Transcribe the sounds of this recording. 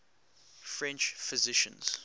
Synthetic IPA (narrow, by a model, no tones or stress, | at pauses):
fɹɛ̃nt͡ʃfɪzɪʃə̰̃nz̥